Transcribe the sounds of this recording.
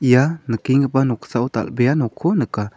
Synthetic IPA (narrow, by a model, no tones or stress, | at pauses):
janəkiŋɡəpanoksaʔut̪a̰lbejanokʰunəka